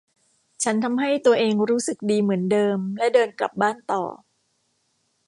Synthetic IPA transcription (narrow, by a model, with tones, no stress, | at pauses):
t͡ɕʰa˦˥nt̪ʰa˧mɦa˥˩jt̪u˧ɐʔeː˧ŋɾuː˦˥sɯ˨˩k̚diː˧mɯ˩˦əndɤː˧mlɛ˦˥dɤː˧nkla̰˨˩p̚baː˥˩nt̪ɔ̰ː˨˩